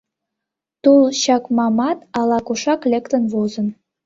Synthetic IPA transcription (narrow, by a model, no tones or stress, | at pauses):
t̪ulɕɑkmɑmɑt̪ɑlɑkuʃɑklʲekt̪ə̆nβozə̆n